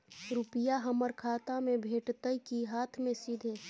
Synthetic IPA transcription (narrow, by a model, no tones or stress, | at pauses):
ɾupɪjaɦəməɾkʰaːt̪amẽbʱeːʈt̪əikiɦaːt̪ʰmẽsid̪ʱe